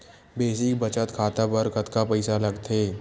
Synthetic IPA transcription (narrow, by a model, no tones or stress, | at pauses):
beːsɪkbɐt͡ʃət̪kʰaːt̪apɐɾkɐt̪kapɛɪsalɐɡt̪ʰeː